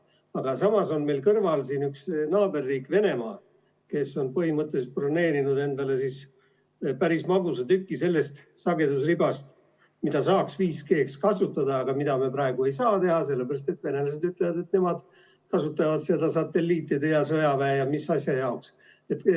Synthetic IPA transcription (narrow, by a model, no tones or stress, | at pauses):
ɑɡ̥ɑsɑmɑso̞nme̞lkɤrvɑlsiːnyksnɑːbe̞rːiːkve̞ne̞mɑː | ke̞sːo̞npɤhimɤt̪ːˑesprone̞ːɾinud̪e̞nd̪̥ɑle̞sis | pæɾismɑɡ̥usɑt̪ykːˑise̞lːe̞st̪sɑɡe̞d̪usribɑst̪ | mid̪̥ɑsɑːksviːske̞ːkskɑsut̪ːˑɑd̪ɑːɡ̥ɑmid̪̥ɑme̞pɾɑe̞ɡ̥ue̞jsɑːt̪e̞hɑse̞lːebæɾɑst̪e̞t̪ve̞ne̞lɑse̞d̪yt̪ːˑlevɑd̪e̞t̪ne̞mɑd̪̥ | kɑsut̪ːˑɑvɑd̪sed̪̥ɑsɑt̪ːe̞lːiːt̪ːˑid̪ejɑsɤjɑvæːjɑmisɑsʲjɑjɑoks | e̞t̪ː